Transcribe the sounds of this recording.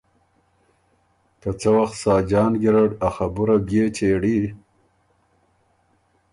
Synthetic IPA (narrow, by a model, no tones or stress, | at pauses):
kat͡səwaxt̪sɑːd͡ʒɑːnɡiɾaɽaxabuɾabjeːt͡ʃeɽi